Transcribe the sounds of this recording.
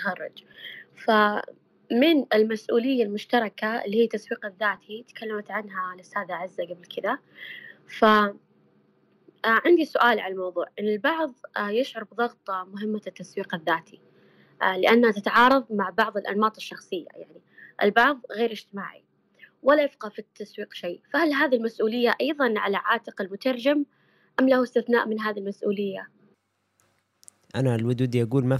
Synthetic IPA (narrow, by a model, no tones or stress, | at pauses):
xɑrˤːɑ̰d͡ʒfa | mɪnɪlmasʔṵːlɪjːalmʊʃt̪ɑɾˤɑkalːiːhiːt̪ːaswiːqaðːaːt̪ʰit̪kʰalːamat̪ʕanɦalɪsaːd̪aʕɪzːaɡablkʰɪd̪a | fa | ʕɪnd̪isʊʔaːlʕalalmɑwðˤṵːʕʔɪnːɪlbɑʕðˤjɪʃʕʊɾˤbðˤɑɣt̪ˤmʊɦɪmːat̪ːaswiːqɪðːaːt̪ʰi | lɪʔanːhat̪ɪt̪aʕɑːɾˤɑðˤmaʕbɑʕðˤɪlʔa̰nmɑːt̪ˤɨʃːɑxsˤɨjːa̰ja̰ʕniʔɪ̰lbɑʕðˤɣeːɾɪd͡ʒt̪ɪma̰ːʕḭ | walːajɪfqɑfit̪ːaswiːqʃiːfahalɦaːðilmasʔuːlɪjːaʔɑjðˤɑnʕalaʕaːt̪ɪqɪlmʊt̪ɑɾˤd͡ʒam | ʔamlahuɪst̪ɪθna̰ːʔmɪnɦaːðilmasʔṵːlɪjːa | ʔa̰nalwʊd̪uːd̪iʔaɡuːlma